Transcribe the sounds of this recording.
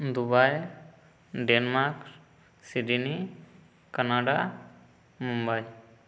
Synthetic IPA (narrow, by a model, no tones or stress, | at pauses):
d̪ubaj | ɖenmaɾk | siɖini | kanaɖa | mumbaj